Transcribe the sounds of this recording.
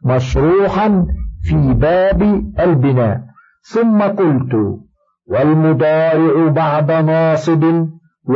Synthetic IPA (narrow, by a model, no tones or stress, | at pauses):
maʃɾuːħanfiːbaːbʔalbɪna̰ːʔ | θʊmːaqʊlt̪ʊ̰ | walmʊd̪ɑːɾɪʕʊbɑʕd̪ɑnɑːsˤɨb̪ | w